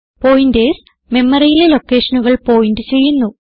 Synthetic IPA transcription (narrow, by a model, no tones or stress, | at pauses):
po̞ːjindes | me̞mːɐrijilelo̞kːe̞ːʂɐnuɣɐɭpo̞ːjindɨt͡ɕe̞jːunːu